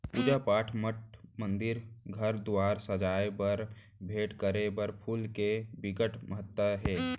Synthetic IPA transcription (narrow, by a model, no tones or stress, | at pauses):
ud͡ʒapaːʈʰməʈ̚mə̃nd̪ɪɾɡʱəɾd̪uwaːɾsəd͡ʒaːebɐɾ | bʱeːʈkəɾebəɾpʰuːlkebɪɡəʈʰməɦət̪ːwəɦɛː